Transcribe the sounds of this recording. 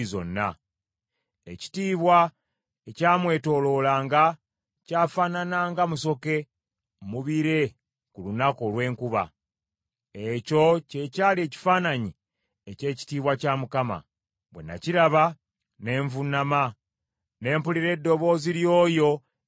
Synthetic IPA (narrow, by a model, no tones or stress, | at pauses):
zo̞̰nːa̰ | eci̥tiːβwa | ecaːmwe̞ːto̞ːlo̞ːlaːŋɡa | caːfananaːŋɡamuso̞ke̞ | muβiɾe̞ | kulunako̞lwe̞ːŋkuβa̰ | eco̞ce̞caːlie̞ːci̥faːnaɲi | ece̞ːci̥tiːβwacaːmukama̰ | βwe̞̰na̰ciɾaβa | ne̞ːɱvunama | ne̞ːmpuliɾe̞dːo̞βo̞ːziljo̞ːjo̞